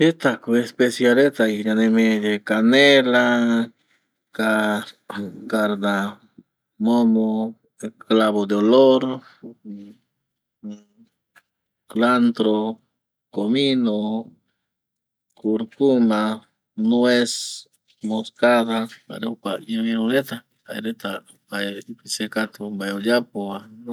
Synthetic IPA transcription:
et̪akuespesjaɾet̪ajiɲanemed̪ekanela | ka | kaɾd̪a | momo | eklaβod̪eoloɾ | klant̪ɾo | komino | kuɾkuma | nwes | moskad̪aba̰ɾekaβiɾoɾet̪a | a̰jɾet̪a | bajipisekat̪obajojapoan

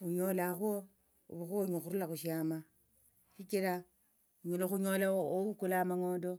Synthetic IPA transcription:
uɲolaxo | ṵβuxoɲoxuɾulaxuʃiama | ʃikiɾa | uɲoloxuɲolaoukulamaŋoːndo

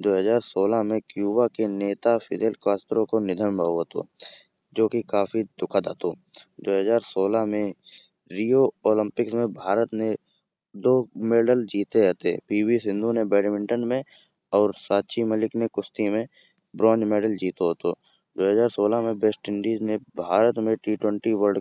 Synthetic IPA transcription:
d̪oːɦəzaːɾsoːlamẽkjuːbakeneːt̪apʰɪd̪eːlkaːsʈɾõkonɪd̪ʱənbʱaːoɦot̪o̰ː | d͡ʒoːkikaːfid̪̥ʊkʰad̪aːt̪od̪oːɦəzaːɾsoːlaɦmẽ | ɾiːjooːlə̃mpɪksmẽbʱaːɾət̪ne | d̪oːmeːɖəld͡ʒiːt̪eɦɛt̪ḛpiːwisɪ̃nd̪ʱunebɛːɖmɪ̃ɳʈənmẽ | ɔːɾsaːt̪ːt͡ʃʰiməlɪknekʊst̪imẽ | bɾɔ̃ːnd͡ʒmeːɖəld͡ʒiːt̪oɦot̪o | d̪oːɦəzaːɾsoːlamẽbesʈɪ̃ɳɖiːd͡ʒnebʱaːɾət̪mẽʈiːʈwə̃ɳʈiwəɾɖ

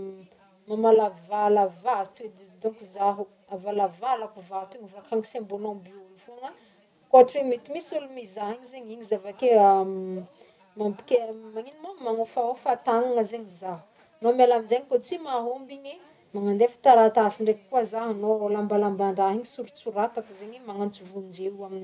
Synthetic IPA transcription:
mamalavalavat̪ed̪id̪okuzaɦu | avalavalakuvat̪eɲivakaŋisembolombiulufuaŋa | koʈ͡ʂemit̪imisulumizaɦiɲizeɲiɲizavakea | mampi̥kʲemaninimamaŋofaofat̪aŋaŋəzeɲizaɦu | nomelaminzeɲikot͡simaɦombiɲi | maŋand̪efi̥t̪aɾat̪asiɳɖ͡ʐeki̥kuazaɦnolambalambaɳɖ͡ʐaɦiɲisuɾut͡suɾat̪akuzeɲimaŋant͡sivund͡ʒeuamini

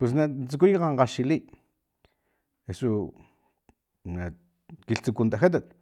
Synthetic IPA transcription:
pwes̬nat͡suk̬ujqaɴqɑʃili | esu | na | kiɬt͡sukunt̪axet̪̬at̪̚

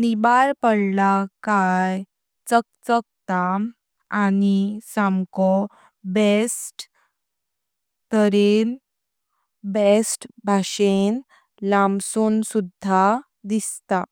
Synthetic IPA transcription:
nibaɾpəɽlakaj | t͡sək̚t͡sək̚t͡st̪a | anisamkɔ | besʈ | t̪əɾen | besʈbʱaɕen | lamsunsud̪ʱːa | d̪ist̪a

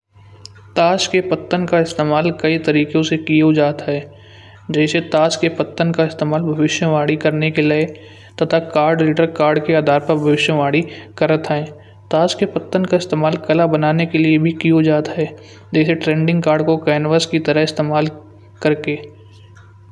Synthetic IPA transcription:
t̪aːskepɐt̪ːənkaɪst̪eːmaːlkɐit̪ɐɾiːkjõsekiod͡ʒaːt̪ɦɛː | d͡ʒɛːset̪aːskepɐt̪ːənkaɪst̪eːmaːlbʱɐʋɪʃjəʋaːɽikɐɾnekelɪe | t̪ɐt̪ʰakaːɾɖliːʈəɾkaːɾɖkeaːd̪ʱaːɾpɐɾbʱɐʋɪʃjəʋaːɽikɐɾət̪ʰɦɛ̃ː | t̪aːskepɐt̪ːənkaɪst̪eːmaːlkɐlabɐnaːnekeliebʱikiod͡ʒaːt̪ɦɛː | d͡ʒɛːseʈɾẽːɳɖɪ̃ŋɡkaːɾɖkokɛːnʋəskit̪ɐɾəɦɪst̪eːmaːl | kɐɾkeː

